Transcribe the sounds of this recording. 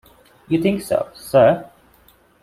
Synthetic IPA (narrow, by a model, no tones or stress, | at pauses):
jɨθɪ̃ŋkso̰ʊsɜ˞